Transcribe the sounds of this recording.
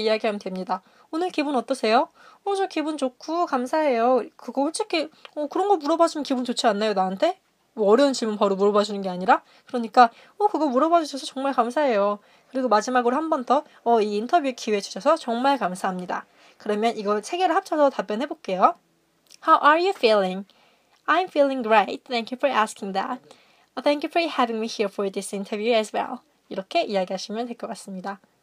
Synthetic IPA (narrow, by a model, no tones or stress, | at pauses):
ijaɡiɦamjntwemɲida | onɯɭkibunʌt͈ʌsʰe̞jo | od͡ʑokibunt͡ɕokʰukamsʰaɦe̞jokɯɡʌɸoɭt͡ɕ͈ʰikʰiʌkɯɾʌnɡʌmuɾʌbad͡ʑimnkibunt͡ɕot͡ɕʰianːajonaantʰe̞ | mʌːɾjʌunt͡ɕiɭmunpʌɾumuɾʌbad͡ʑunɯnɡe̞aɲiɾa | kɯɾʌɲik͈a | ʌkɯɡʌmuɾʌbad͡ʑuɕʰʌsʰʌt͡ɕʌŋmaɭkamsʰaɦe̞jo | kɯɾiɡomad͡ʑimaɡɯɾohambʌntʰʌ | ʌiːntʰʌbjukʰiwet͡ɕʰu̥ɕʰʌsʰʌt͡ɕʌŋmaɭkamsʰaɦamɲida̰ | kɯɾʌmjʌniɡʌɭsʰe̞ɡe̞ɾɯɭhap̚t͡ɕʰʌsʰʌtap͈jʌnɦe̞bok͈e̞jo | hawʔaɹjufilɪ̃ŋ | ãjmfilˠɪ̃ŋɡɹeɪt̚θʰɛ̃ŋkjufɔ˞ʔæskɪŋðæ̰t̚ | θʰɛ̃ŋkjufo˞hɛvĩŋmihiɹfɔɹdisintʰəvjuɛzwɛ̰lˠ | iɾʌkʰe̞ʔijaɡiɦaɕʰimjʌntwe̞ɭk͈ʌk͈as͈ɯmɲida